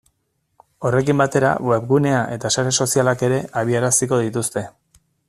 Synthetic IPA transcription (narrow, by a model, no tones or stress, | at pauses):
o̞re̞kimbat̪e̞ɾa̰we̞βɣune̞aʔe̞t̪asaɾe̞so̞sialake̞ɾe̞ʔaβ̞iaɾasiko̞ðit̪ust̪e̞